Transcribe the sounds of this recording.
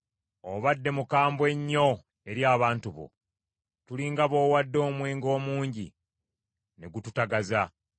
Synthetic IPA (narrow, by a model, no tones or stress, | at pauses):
oβadːe̞mukaːmbwe̞ɲːo̞ | e̞ɾjaːβaːntuβo̰ | tuliŋɡaβo̞ːwadːo̞ːmweːŋɡo̞ːmuːɲɟḭ | ne̞ɡututaɡaza